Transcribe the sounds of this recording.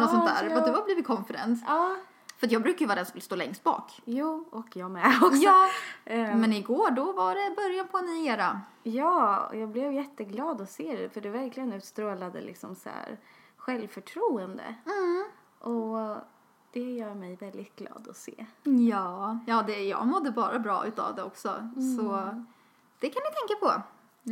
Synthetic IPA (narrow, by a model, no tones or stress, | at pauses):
nɔɔnʰæ̰ːɾɔd̪ɵvablivɪkʰɔnfɛɾɛ̰ns | fœɾat̪jɑːɡbɾʉ̟ːkaɾjʏvɑːd̪ɛnsɔmvɪlst̪oːlɛŋst̪̚bɑ̰ːkjuːɔkjɑːɡmɛɔksɑː | mɛnɪɡoːɖɔvaɖɛbœɾjanpʰɔɛnɪeːɾajɑːɔ̰jɑːɡblɛvjɛt̪ːəɡlɑːd̪ɔseːd̪ɛfœɖɛvæɾklɪɡənʉ̟ːt̪st̪ɾoːlad̪ə̰lɪ̰ksɔmsæ̰ːɾɧɛlvfœʈʰɾuːənd̪ə̰ | ʔɔ | d̪̥ɛjœːɾmɛjvɛld̪ɪt̪̚ɡlɑ̰ːd̪ɔsḛːjɑːjɑːd̪ɛjɑ̰ːɡmɔd̪ːəbɑːɾabɾɑ̰ːʔʉ̟ːt̪ʰa̰vd̪ɛɔksɔ̰sɔ | d̪̥ɛkʰanjɪt̪ʰɛŋkapʰɔ